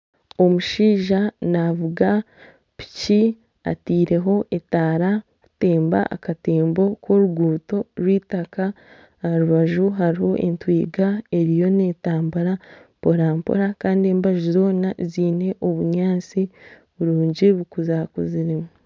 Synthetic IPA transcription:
o̞muʃiːʒanavuɡa | pi̥ci | a̰tiːɾe̞ɦo̞ʔe̞taːɾa | ku̥te̞ːmba̰ʔa̰kate̞ːmbo̞kwo̞ɾuɡuːto̞ɾwiːtaka | ɾuβaʒuɦaɾiho̞ʔḛntwiːɡae̞ɾijo̞ne̞taːmbaɾapo̞ɾaːmpo̞̰ɾakaːndie̞ːmbaʒuzo̞ːnaziːne̞ʔo̞βuɲaːt͡si | βuɾuːɲɟiβukuzakuziɾimu

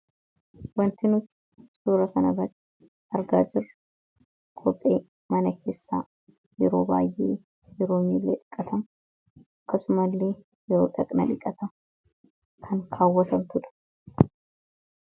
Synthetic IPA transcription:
wɐnt̪ɪnʊt̪ | suːɾɐkɐnɐbɐt̪ː | ɐɾɡa̰ːd͡ʒɪrːɐ̥ | kʰʼɔpʼːe̞ː | mɐnɐkʰe̞ːsːa̰ː | jɛɾo̞ːbaːjʔːeː | jɛɾoːmiːlːeːᶑɪkʼːɐt̪ʰɐm | ʔɐkːɐsʊmɐlːe̞ː | jɛɾoːᶑɐkʼnɐᶑɪkʼːɐt̪ɐ | kʰɐŋkʰaːwːɐt̪ɐmt̪ʊᶑɐ̥

